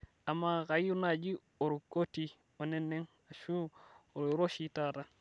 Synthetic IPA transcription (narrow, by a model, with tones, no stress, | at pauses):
a˨mːa˦ka˨ju˦nad͡ʒi˦ | o˨ɾu˨ko˦ti˦ | o˨ne˦nːe˦ŋ | a˨ʃu˦o˨ɾɾo˦ʃi˨tata˦